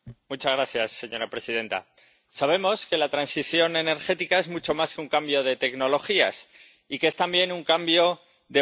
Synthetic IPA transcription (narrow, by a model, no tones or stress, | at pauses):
mut͡ʃazɣɾaθjasːe̞ɲo̞ɾapɾe̞sið̞ẽ̞nt̪a̰ | saβ̞e̞mo̞ske̞lat̪ɾansiθjo̞ne̞ne̞ɾxe̞t̪ikae̞zmut͡ʃo̞maskeuŋkambjo̞ð̞e̞t̪e̞kno̞lo̞xia̰s | ikee̞st̪ambje̞nuŋkambjo̞ | ðe̞